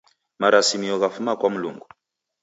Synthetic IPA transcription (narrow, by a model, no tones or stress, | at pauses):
maɾasimiɔɣafumakwamulṵŋɡu